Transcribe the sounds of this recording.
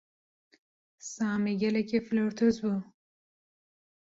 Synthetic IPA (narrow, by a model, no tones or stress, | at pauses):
saːmiɡɛlɛkefloɾt̪ʰozbu